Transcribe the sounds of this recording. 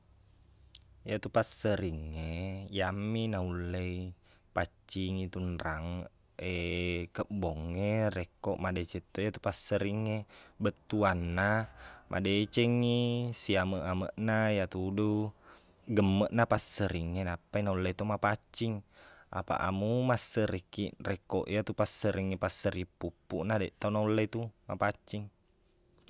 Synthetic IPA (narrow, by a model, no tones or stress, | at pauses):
jat̪upasəɾiŋːejamːinaulːei | pat͡ʃːiŋit̪unɾʔaŋ | ekəbɔŋːerɛkːɔʔmadɛt͡ʃɛt̪ːojat̪upasːəɾiŋːebət̪ːuanːamʔa̰det͡ʃɛŋisiaməʔaməʔnajat̪udu | ɡəmːəʔnapasəɾiŋːenapːainaulːet̪omapat͡ʃːiŋa̰pa̰ʔa̰mumasəɾəkiʔrɛkːɔʔijat̪upasəɾiŋːipasːəɾipːupːṵʔnadɛʔt̪aunaulːet̪uma̰pat͡ʃːiŋ